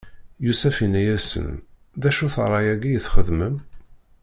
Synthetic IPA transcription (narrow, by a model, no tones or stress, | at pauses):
jusæfinæjæsə̰n | ðæʃuθɾˤːɑjæɡijəθχəðməm